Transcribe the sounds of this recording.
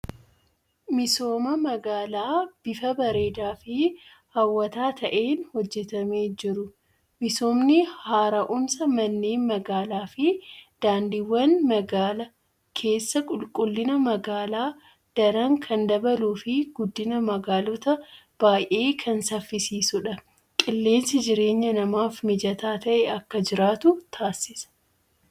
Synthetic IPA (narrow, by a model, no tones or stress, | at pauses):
mɪso̞ːmɐmɐɡaːlaːb̥ɪfɐbɐɾe̞ːd̪aːfɪ | hɐwːɐt̪aːt̪ʰɐʔeːnhɔd͡ʒːɛt̪ɐmeːd͡ʒɪɾʊ | mɪso̞ːmnɪhaːɾɐʔʊmsɐmɐnːeːnmɐɡaːlaːfɪd̪̥aːnd̪iːwːɐnmɐɡaːlɐ | kʰe̞ːsːɐkʼʊlkʼʊlːɪnɐmɐɡaːlaː | d̪̥ɐɾaŋkʰɐnd̪ɐbɐluːfɪɡʊd̪ːɪnɐmɐɡaːlɔt̪ɐ | b̥aːjʔeːkʰɐnsɐfːɪsiːsʊᶑɐ | kʼɪlːe̞ːnsɪd͡ʒɪɾe̞ːɲːɐnɐmaːfmɪd͡ʒɐt̪aːt̪ɐʔɛɐkːɐd͡ʒɪɾaːt̪ʊt̪ʰaːsɪsɐ̥